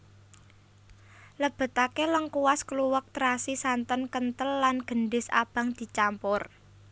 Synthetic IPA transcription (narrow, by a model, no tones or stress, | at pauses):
ləb̥ə̤t̪akeləŋkuwaskluwək̚t̪ɾasisant̪ənkənt̪əlːanɡ̥ə̤nɖɪsa̰b̥ä̤ŋd̪̥i̤t͡ʃampʊr